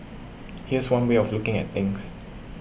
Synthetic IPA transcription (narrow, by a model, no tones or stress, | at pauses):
hiəswãnweɔflukɪ̃ŋɛ̰t̚t̪ɪ̃ŋs